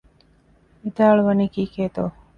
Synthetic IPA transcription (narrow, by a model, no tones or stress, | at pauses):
it̪aːɭʋɐniːkiːkeːt̪oː